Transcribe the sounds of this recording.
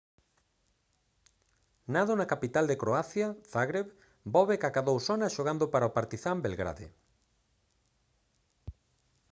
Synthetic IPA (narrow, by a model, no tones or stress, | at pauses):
naðonakapit̪ald̪ekɾoaθjaθaɣɾeβ | bɔβekakaðowsonaʃoɣand̪opaɾaopaɾt̪iθambelɣɾa̰ðḛ